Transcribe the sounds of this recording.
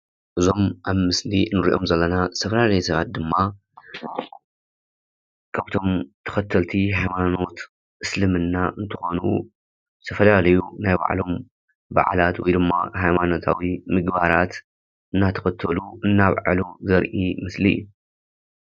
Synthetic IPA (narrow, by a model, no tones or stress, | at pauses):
ʔɨzo̞mʔaβmɨsliɨnɨɾḭʔomzɐlːɐnasʰɐfɐlalɐjsɐβat̪̚d̪ɨmːa | kʰaβt̪ʰo̞mt̪ʰɐ̥xɐt̪ʰːɐlt̪ʰiɦajmano̞t̪ | ɨslɨmɨnːaʔɨnt̪ʰɨ̥xo̞nu | t̪ʰɐfɐlalɐjunajba̰ʕlo̞m | ba̰ʕ̰lat̪wɔjd̪ɨmːa̰hajmano̞t̪ʰa̰wimɨɡbaɾat̪ | ʔɨnːat̪ʰɐ̥xɐt̪ʰːɐluɨnːaβʕa̰luzɐɾʔimɨslḭːu